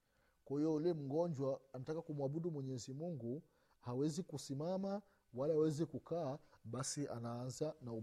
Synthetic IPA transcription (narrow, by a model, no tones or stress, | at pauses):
kwahijɔulɛm̩ɡɔɲd͡ʒwaːnatakakumwaɓuɗumwɛɲɛzimuŋɡu | hawɛzikusimama | walaawɛzikukaːɓasiʔa̰naːnzanau